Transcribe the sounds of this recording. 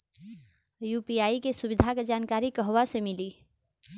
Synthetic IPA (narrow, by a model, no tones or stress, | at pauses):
juːpiaːikesʊbɪd̪ʱaked͡ʒaːnkaːɾikəɦʋasemɪli